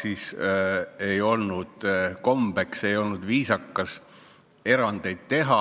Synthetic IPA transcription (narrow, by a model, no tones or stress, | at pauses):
siːs | e̞jo̞lnud̪̥ko̞mb̥e̞kse̞jo̞lnud̪viːsɑkːɑs | e̞ɾɑnd̪̥e̞jd̪̥̚t̪e̞ɦɑ